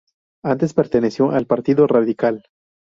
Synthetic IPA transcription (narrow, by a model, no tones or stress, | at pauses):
ant̪e̞speɾt̪enesjo̞ʔalpaɾt̪iðoraðikal